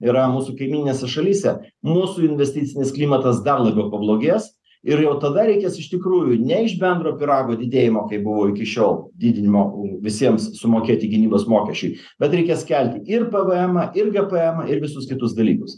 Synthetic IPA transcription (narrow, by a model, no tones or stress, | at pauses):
iɾɐmuːsukɐɪmʲiːnʲɪnʲeːsʲɛʃɐlʲiːsʲɛmuːsuːɪnʲʋʲɛsʲt̪ʲɪt̪sʲɪnʲɪsklʲiːmɐt̪ɐsd̪ɐrlˠɐbʲɛʊpɐblˠoːɡʲeːs | ɪɾjɛʊt̪ɐd̪ɐɾʲɛɪkʲeːsɪʃt̪ʲɪkɾuːjunʲɛɪʒbʲɛnd̪ɾoːpʲɪɾɑːɡoːd̪ʲɪd̪ʲeːjɪmoːkɐɪbʊʋoːɪkʲɪʃʲoːlˠd̪ʲiːd̪ʲɪnʲɪmoːʋʲɪsʲiɛmssʊmoːkʲeːt̪ʲɪɡʲɪnʲiːboːsmoːkʲɛʃʲt͡ʃʲʊɪ | b̥ʲɛt̪ɾʲɛɪkʲeːskʲælʲt̪ʲɪɪrpɐʋɐɛmɐʔɪrɡɐpɐɛːmɐʔɪɾʋʲɪsʊskʲɪt̪ʊsd̪ɐlʲḭːkʊs